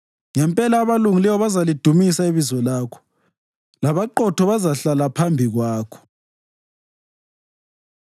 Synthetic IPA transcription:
ŋɛmpʼɛlaːβaluŋilɛwɔβazalid̥ʱumisaiβizɔlaːkʰɔ̥ | laβaǃɔtʰɔβazaɬalapʰambʱiɣwaːkʰɔ̥

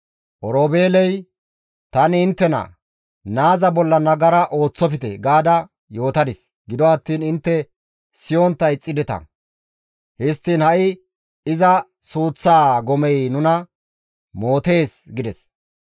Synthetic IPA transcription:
ʔɔɾoːbe̞ːlɛj | t̪ɐnɪɪnt̪ːɛnɐ̰ | naːzɐbɔlːɐnɐɡɐɾɐʔo̞ːt͡sːɔpɪt̪ɛ̰ɡaːd̪ɐ | jo̞ːt̪ɐd̪ɪs | ɡɪd̪ɔɐt̪ːiːnɪnt̪ːɛ | sɪjɔnt̪ːɐjt͡sʼːɪd̪ɛt̪ɐ̰ | hɪst̪ːiːnhɐʔɪ | ɪzɐ | suːt͡sːaːɡɔmɛjnʊnɐ | mo̞ːt̪e̞ːsɡɪd̪ɛs

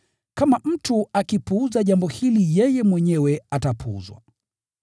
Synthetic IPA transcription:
kamam̩tuakipuuzaʄambɔhilijɛjɛmwɛɲɛwɛatapṵṵzwa̰

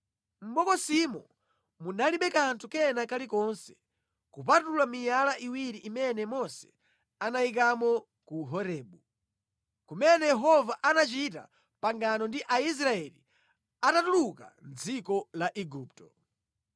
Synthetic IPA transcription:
m̩ɓɔkɔsimɔ | munaliɓɛkantʰukɛnakalikɔnsɛ̥ | kupatulamijalaʔiwiɾiʔːmɛnɛmɔsɛ̥̰ | anaik̬amɔ | kuɦɔɾɛːɓu | kumɛnɛjɛɦɔvaʔanat͡ʃita̰ | paŋɡanɔndiʔais̬ɾaɛlḭ | atatuluka̰nd͡zikɔlaʔɛɡuːp̚tɔ

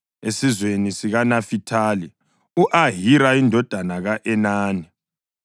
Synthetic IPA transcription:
esizwenisiɣanafitʰaːli | uʔaɦiɾaindʱɔd̥ʱanaɣaʔɛnaːni

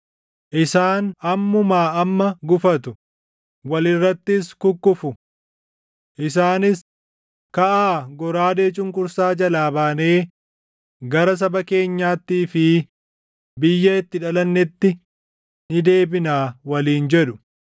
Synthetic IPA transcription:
ʔɪsaːnɐmːʊmaːɐmːɐɡʊfɐt̪ʊ | wɐlɪrːɐt̪ːɪskʊkːʊfʊ | ʔɪs̬aːnɪs | kɐʔaːɡɔɾaːd̪e̞ːt͡ʃʼʊŋkʼʊɾsaːd͡ʒɐlaːbaːneː | ɡɐɾɐs̬ɐbɐke̞ːɲːaːt̪ːiːfɪ | bɪjːɐɪt̪ːɪᶑɐlɐnːɛt̪ːɪ | nɪd̪e̞ːbɪnaːwɐliːnd͡ʒɛᶑʊ̥

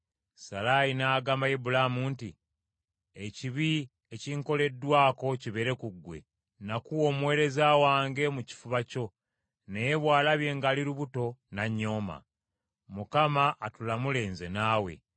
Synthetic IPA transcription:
salajinaːɡaːmbajibulamunti | eciβi | eciŋko̞le̞dːwaːko̞ciβe̞ɾe̞kuɡːwe̞̰ | nakuomwe̞ɾe̞zaːwaːŋɡe̞muci̥fuβaco̞ | nejeβwaːlaβje̞ːŋɡaːliɾuβuto̞naɲːo̞ːma̰ | mukamaʔːtulamule̞ːnze̞naːwe̞̰

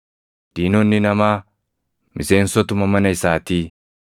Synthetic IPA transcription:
d̪̥iːnɔnːɪnɐmaː | mʔɪse̞ːnsɔt̪ʊmɐmɐnɐɪsaːt̪iː

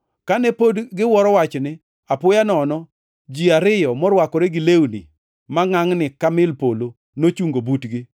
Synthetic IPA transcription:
kanɛpodɡɪwɔɾɔwat͡ʃnɪ | apʊjanɔnɔ | d͡ʒiaɾɪjɔmɔɾwakɔɾɛɡɪlewunḭ | maŋaŋnɪkamɪlpolo | not͡ʃuŋɡobutɡɪ

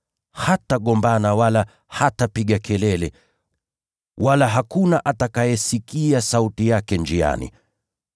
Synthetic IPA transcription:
hataɠɔmbanawala | hatapiɠakʰɛlɛlɛ | walaɦakunaʔatakajɛsikiasautijakɛnd͡ʒia̰nḭ

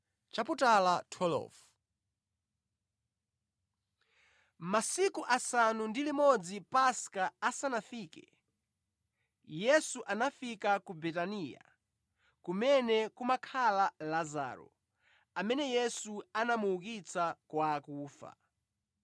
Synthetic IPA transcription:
t͡ʃaputalatʰɔlɔ̰f | masikuʔasanundilimɔd͡zipaskaasanafiːkɛ̰ | jɛsuʔanafikakubɛtaniːja̰ | kumɛnɛkumakʰalalaza̰ːɾɔ̰ | amɛnɛjɛsuanamuːkit͡sakwakuːfa̰

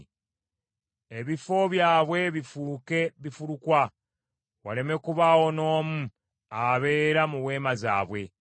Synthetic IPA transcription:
eβifo̞βjaːβwe̞βifuke̞βifuɾukwa | wale̞me̞kuβawo̞no̞ːmu | aβe̞ːɾamuwe̞ːmazaːβwe̞

